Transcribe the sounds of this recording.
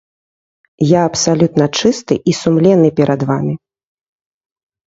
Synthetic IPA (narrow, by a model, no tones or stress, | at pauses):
jaɐpsalʲut̪nɐt͡ʂɨst̪ɨ̰ʔisumlʲɛnːɨpʲɛɾʔɐd̪vamʲi